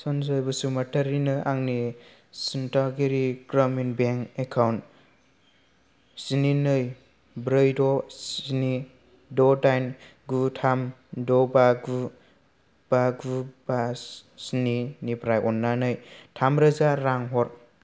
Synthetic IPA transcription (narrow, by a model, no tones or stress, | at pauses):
sɔnzɯjbɯsumatʰaɾinɯʔaŋni | sintaɡiɾiɡɾɔminbeŋekʰawnt | sininɯj | bɾɯjdɔini | dɔdajnɡutʰam | dɔbaɡu | b̥aɡubassininipʰɾajʔɔnːanɯjtʰamɾɯzaɾaŋɦɔɾ